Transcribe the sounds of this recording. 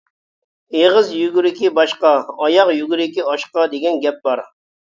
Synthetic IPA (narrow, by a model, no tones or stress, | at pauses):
eʁəzjyɡʲyɾɪkʲibɑʃqɑɑjɑqjyɡʲyɾɪkʲiɑʃqɑd̪eɡʲɛnɡʲɛp̚bɑɾ